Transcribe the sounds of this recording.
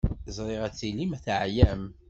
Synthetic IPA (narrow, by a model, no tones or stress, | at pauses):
zˤɾˤɪʁæt͡sːilimæθʕjæm